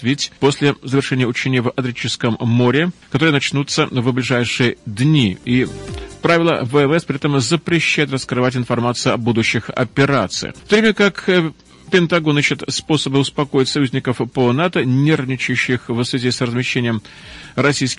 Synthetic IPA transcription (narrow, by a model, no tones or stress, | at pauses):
vʲɪtʲpo̞sʲlʲɪzəvʲɪrʂɛnʲɪjəʊt͡ɕenʲɪjəvɐt̪ɾʲɪt͡ɕːɪskəmːoɾʲɪkɐt̪oɾɨənɐt͡ɕnut̪səvblʲɪʐajʂɨjəd̪nʲiipɾavʲɪlˠə̰vəɛmɛspɾʲɪɛt̪əmzəpɾʲɪɕːæjɪt̪rəskɾɨvatʲɪnfɐrmat̪sɨjʊɐbud̪ʊɕːɪxɐ̰pʲɪɾat̪sɨ̰jɪ̰ft̪ovɾʲemʲəkak | pʲɪnt̪ɐɡo̞niɕːɪt̪spo̞səbɨʊspɐko̞jɪtʲsɐjʉzʲnʲɪkəfponat̪ənʲernʲɪt͡ɕʊɕːɪxvsvʲɪzʲisrəzmʲɪɕːenʲɪjəm | ɾɐsʲijskʲ